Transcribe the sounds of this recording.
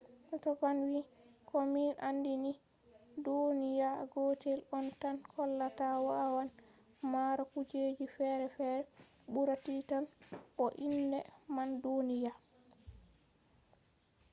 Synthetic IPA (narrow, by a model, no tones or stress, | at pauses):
ʔatɔɡanwi | kʰɔminʔandini | donijaɡɔtɛlɔntankʰɔlːatawaʔawan | maɾakud͡ʒeːd͡ʒifɛɾɛfɛɾɛ | buɾatitanʔɔʔindɛmandonija